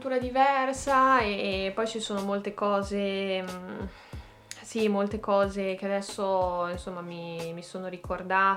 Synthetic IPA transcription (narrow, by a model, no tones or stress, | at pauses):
t̪uːɾad̪ivɛrsaepːɔjt͡ʃisoːnomolt̪ekɔːze | simolt̪ekɔːzek̟ead̪ɛsːoinsomːamimisoːnoɾikord̪aː